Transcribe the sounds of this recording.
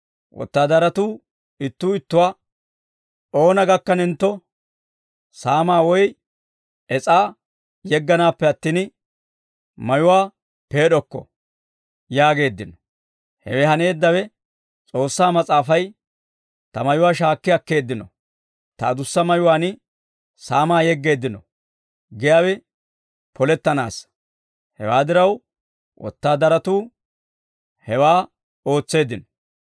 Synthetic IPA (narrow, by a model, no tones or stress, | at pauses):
wʔɔ̰t̪ːaːd̪ɐɾɐt̪uː | ɪt̪ːuːɪt̪ːʊwaː | o̞ːnɐɡɐkːɐnɪnt̪ːɔ | saːmaːwɔj | ɛt͡sʼaː | jɛɡːɐnaːpːɛɐt̪ːiːn | mɐjʊwaː | pe̞ːɗɔkːɔ̰ | jaːɡe̞ːd̪ːɪnɔ | hɛ̰wɛɦɐne̞ːd̪ːɐwɛ | t͡sʼo̞ːsːaːmɐt͡sʼaːfɐj | t̪ɐmɐjʊwaːʃ̬aːkːɪɐkːe̞ːd̪ːɪnɔ̰ | t̪ɐ̰d̪ʊsːɐmɐjʊwaːnɪ | saːmaːjɛɡːe̞ːd̪ːɪnɔ | ɡɛjaːwɛ | pʰɔlɛt̪ːɐna̰ːs | hɛ̰waːd̪ɪɾɐw | wʔɔ̰t̪ːaːd̪ɐɾɐt̪uː | hɛwaː | o̞ːt͡sːe̞ːd̪ːɪnɔ̥